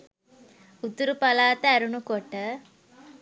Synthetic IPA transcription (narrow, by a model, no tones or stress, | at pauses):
ut̪uɾupɐlaːt̪əæɾunukoʈə